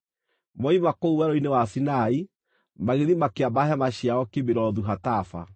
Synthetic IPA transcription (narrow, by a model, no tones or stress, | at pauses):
mɔimakouwɛɾoinewasinai | maɣeðimakeabaɦamaɕjaɔkebeɾɔðuɦatafa̰